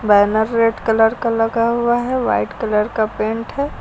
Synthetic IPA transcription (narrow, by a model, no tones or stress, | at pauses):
bɛːnəɾːeːʈkələɾkalɐɡaɦuaɦɛʋa̰ːɪʈkələɾkapẽːɳʈɦɛː